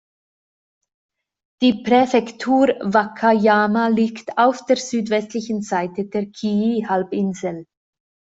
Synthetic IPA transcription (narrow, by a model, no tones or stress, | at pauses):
d̥iːpʁefɛktʰuːʁvakʰajaːmaliːktaʊfd̥eːɐʁz̥yːtv̥ɛstlɪçən̩zaɪtəd̥eːɐkʰiihalbɪnzl̩